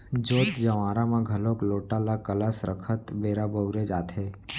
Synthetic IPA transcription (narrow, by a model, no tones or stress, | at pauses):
d͡ʒoːt̪d͡ʒəʋãːɾamãɡʱəlõkloːʈalakələsɾəkʰət̪beːɾabəʊɾed͡ʒaːt̪ɦeː